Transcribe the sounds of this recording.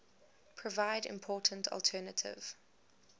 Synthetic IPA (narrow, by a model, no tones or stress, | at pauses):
pʰɹ̥ɔvaɪdɪ̰̃mpʰɔːˑtʰə̃n̩tʰɔ̰lˠtʰɜːnətʰɪ̰v̥